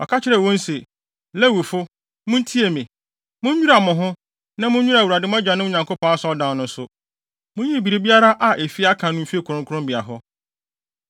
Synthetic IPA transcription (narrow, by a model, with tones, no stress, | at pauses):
ɔ˨kʰa˦t͡ɕʰɪ˦ɾɛ˨wɔ̃˦n̩˦se˨ | lɛ˦wi˨fʊ˦ | mʊ̃˦n̩˦tʰi˦e˨mĩ˨ | mʊ̃˦ɲ˦ɲᶣũ˦ɾa˨mʊ̃˨ɦʊ̃˦ | nã˦mʊ̃˦ɲɲᶣu˦a˨wu˨ɾa˨dɪ˦m̃˦ã˦d͡ʑᶣa˨nʊ̃˦ʊ˨ɲã˨ŋkʰo˦pʰɔ̃˦a˦sɔ˦ɔ˦dã˨nnʊ̃˦n˦sʊ˨ | mʊ̃˦ɲĩ˦˨bi˨ɾe˦bi˦a˦ɾa˦ʔa˨ʔe˨fi˦a˦kʰã˨nʊ̃˦m̩˦fi˦e˦kʰʊ˨ɾʊ̃˦ŋkʰʊ˦ɾʊ̃˦mbi˨a˨ɦɔ˦